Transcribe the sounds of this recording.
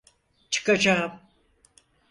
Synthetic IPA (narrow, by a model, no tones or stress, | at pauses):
t͡ʃʰɨ̥kad͡ʒaːm